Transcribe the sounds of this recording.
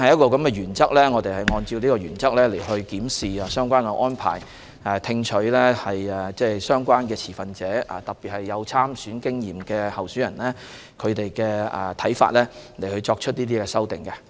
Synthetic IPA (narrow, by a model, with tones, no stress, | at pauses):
hɐ˨jɐ˥t̚kɔː˧kɐ˨˦mkɛː˧jyː˨˩nt͡sɐ˥k̚lɛː˥ŋɔ˨˧t̪e˨jhɐ˨˩jŋɔː˧nt͡siː˧wliː˥kɔː˧jyː˨˩nt͡sɐ˥k̚lɛː˥le˨˩jɦɵ˧ɥkiː˨˥msiː˨˩aː˧sœː˥ŋkʷaː˥nkɛ˧ʔɔː˥npʰa̰ː˨˩j | ɛ˨t̪ʰɪ˧ŋt͡ʃʰɵ˨˥ɥlɛ˥hɐ˨jɛ˨t͡sɛː˥sœː˥ŋkʷaː˥nkɛː˧t͡sʰiː˨˩fɐ˨nt͡sɛː˨˥ɐ̰˨t̪ɐ˨k̚piː˨t̚hɐ˨jːɐ˨˧wt͡sʰaː˥msyː˨˥nkɪ˥ŋjiː˨˩mkɛː˧hɐ˨wsyː˨˥jɐ˨˩nlɛː˥ | kʰɵ˨˧t̪e˨jkɛː˧ɐ̰˨˩t̪ʰɐ˨˥jfa̰ː˧t̚lɛː˥le˨˩jhɵ˧ɥt͡sɔː˧k̚t͡ʃʰɵ˥t̚niː˥t̪̬iː˥kɛː˧sɐ˥wt̪ɪ˨˩ŋkɛ˧